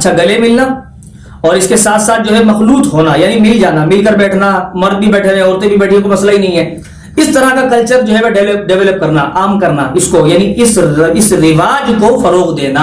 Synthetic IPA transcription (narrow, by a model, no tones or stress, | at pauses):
ɐtːʃʰaɡɐlemɪlna | ɔːɾɪskesaːt̪ʰsaːt̪̚ʰd͡ʒoːɦɛmɐxluːt̪ɦoːnajaːnimɪld͡ʒaːnamɪlkəɾbɛːʈʰnamɐɾd̪̚bʱibɛːʈʰẽɔːɾt̪ẽbʱibɛːʈʰiẽkomɐslaɦinɐɦĩɦɛː | ɪst̪ɐɾakakɐlt͡ʃəɾd͡ʒoːɦɛʋeɖɛləp̚ɖɛʋɛːləp̚kɐɾnaʔaːmkɐɾna̰ɪskojaːniʔɪsɪsɾɪʋaːd͡ʒkofɐɾoːqd̪eːna